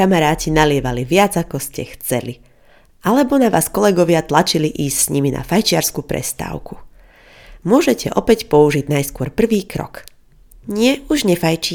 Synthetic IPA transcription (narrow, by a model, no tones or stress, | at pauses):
amaɾaːcinalɪɛʋaliʋɪad͡zakɔscɛxt͡sɛli | ʔalɛbɔnaʋaːskɔlɛɡɔʋɪat̪lat͡ʃiliʔiːscsɲimina̰fajt͡ʃɪaɾskupɾɛ̰st̪a̰ːʊkʰu̥ | mʊɔʒɛcɛ̰ʔɔpɛcpɔuʒiɟnajskʊɔɾpr̩ʋiːkɾɔ̰k | ɲɪɛuʒɲɛfajt͡ʃi